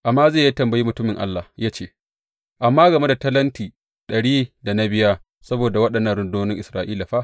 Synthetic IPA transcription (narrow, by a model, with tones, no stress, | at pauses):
ʔa˨mːaː˦ze˦˨ja˦tɐ˨mbɐ˨ji˦mʊ˨tʊ˦mɪ˨ŋʔa̰˦lːa˨ja˦t͡ʃeː˦ | ʔa˨mːaː˦ɡɐ˨me˦da˨tɐ˦lɐ˦ntiː˨ | ɗɐ˨ɽiː˦da˨na˦bɪ˦ja˦ | sɐ˦boː˨da˨wɐ˦ɗɐ˨nːɐ˦nɽʊ˨ndoː˦nɪ˦ŋʔɪ˨sɾaː˨ʔiː˦la˨ɸa˦ʔ